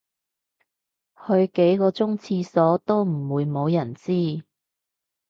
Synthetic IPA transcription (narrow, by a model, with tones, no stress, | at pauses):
hɵ˧ɥke˨˥jkɔː˧t͡sʊ˥ŋt͡sʰiː˧sɔː˨˥t̪o˥wm̩˨˩wuː˨˧jmo˨˧wjɐ˨˩nt͡siː˥